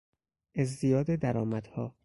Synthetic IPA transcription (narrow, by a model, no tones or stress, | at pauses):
ʔezd̪ijɒːd̪ed̪æɾɒːmæd̪̥hɒː